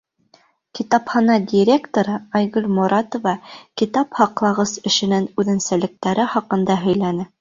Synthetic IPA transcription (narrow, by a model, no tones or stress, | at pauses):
kit̪ɑpχɑnɑdʲɪɾʲekt̪oɾɤɑjɣɵlʲmuɾʔɑt̪ŏvɑkit̪ɑphɑqlˠɑʁɤsɘ̆ʃɘ̆nænʉðɘ̆nsælɘ̆k̚t̪æɾɘχɑqɤ̆nd̪ɑɦɵ̆jlænɘ